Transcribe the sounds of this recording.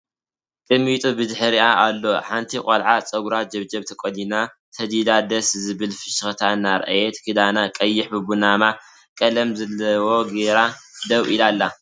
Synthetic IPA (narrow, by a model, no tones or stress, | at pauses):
kʼɨmːit̪ʼubɨd̪ħɨɾiaʔalːo̞ħant̪ʰikʼɐlʕat͡sʼɐɡuɾad͡ʒɐβd͡ʒɐβt̪ʰɐkʼod̪ina | t̪ʰɐd̪id̪ad̪ɐszɨβɨlfɨʃɨxt̪ʰanːaɾʔa̰jet̪kʰɨd̪anakʼɐjːɪħbɨbunama | kʼɐlɐmzɐlɐwo̞ɡeɾad̪ɐwilalːa